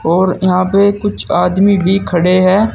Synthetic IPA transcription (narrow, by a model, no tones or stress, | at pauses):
ɔːɾɪɦãːpeːkʊt͡ʃʰaːd̪miːbʱiːkʰəɽeːɦɛː